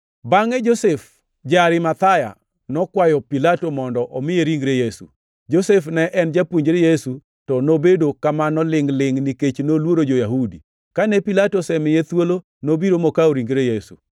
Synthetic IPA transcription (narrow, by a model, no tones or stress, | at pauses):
baŋɛd͡ʒosef | d͡ʒaɾɪmat̪aja̰ | nɔkwajɔpilatomɔndɔʔɔmɪjeɾiŋɡɾejesṵ | d͡ʒosefnɛʔɛnd͡ʒapwuɲd͡ʒɾejesu | tɔnobedokamanɔlɪŋlɪŋniket͡ʃnolwoɾod͡ʒojaɦudi | kanɛpilatosɛmɪjet̪wolo | nobiɾomɔkaoɾiŋɡɾejesṵ